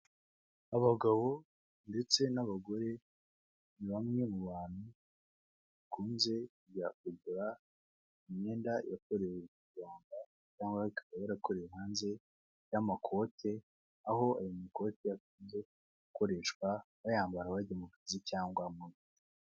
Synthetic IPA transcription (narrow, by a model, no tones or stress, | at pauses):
aβaɡaβo̞ | nde̞t͡se̞naβaɡo̞ɾe̞ | βiβamŋe̞muβaːn̥hu | βakuːnze̞kuɟakuɡuɾa | imɲe̞ːndajako̞ɾewekiɡaːmba | caːŋɡwaikḁβajaɾako̞ɾejeɦaːnze̞ | jamakʰo̞tʰe̞ | aɦo̞ajomiko̞tejakuːnze̞ | ɡuko̞ɾe̞ʃkwa | βajaːmbaɾawademokɾasicaːŋɡwamuni